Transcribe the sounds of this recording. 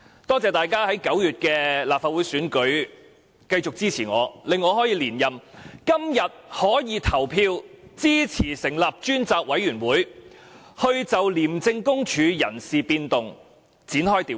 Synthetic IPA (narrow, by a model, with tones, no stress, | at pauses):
t̪ɔː˥t͡sɛː˨˧t̪aː˨˩jkaː˥hɐ˨˥jkɐ˨˥wjyː˨t̚kɛː˧laː˨p̚faː˧t̚wu˨˥jsyː˨˥nkɵ˨˥ɥ | kɐ˧jt͡sʊ˨k̚t͡siː˥t͡sʰiː˨˩ŋɔ̰ː˨˧lɪ˨˧ŋːɔː˨˧ɦɔː˨˥jiː˨˧liː˨˩njɐ˨mkɐ˥mjɐ˨t̚hɔː˨˥jiː˨˧t̪ʰɐ˨˩wpʰiː˧wt͡siː˥t͡sʰiː˨˩sɪ˨˩ŋlɐ˨p̚t͡ʃyː˥nt͡saː˨k̚wɐ˨˥jɥyː˨˩nwuː˨˥j | hɵ˧ɥt͡sɐ˨wliː˨˩mt͡sɪ˧ŋkʊ˥ŋt͡ʃʰyː˨˧jɐ̰˨˩nsiː˨piː˧nt̪ʊ˨ŋ | t͡siː˨˥nɦɔː˥jt̪iː˨˥